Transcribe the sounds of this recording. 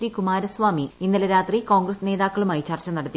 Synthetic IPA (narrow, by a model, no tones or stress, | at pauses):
ʋikumaːɾɐsʋaːmiinːɐlɐɾaːt̪riko̞ːŋɡrɐsne̞ːðaːkːɐɭumaːit͡ɕɐrt͡ɕːɐnɐɽɐt̪ːi